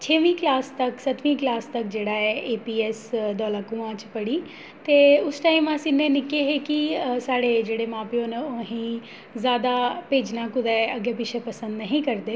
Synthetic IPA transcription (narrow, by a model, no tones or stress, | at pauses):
t͡ʃʰeːʋĩːklaːst̪əksət̪ʋĩːklaːst̪əkd͡ʒeːɽaːɛːʔeːpiːɛːsd̪ɔːlaːkuãːt͡ʃpəɽiː | t̪eːʊsʈaːiːmãːsɪnːẽːnɪkeːɦeːkisaːɽeːd͡ʒeːɽeːmãːpjõːnɦĩː | zjaːd̪aːpeːd͡ʒnãːkʊd̪ɛːəɡeːpɪt͡ʃʰeːpəsə̃nd̪nəɦĩːkəɾd̪eː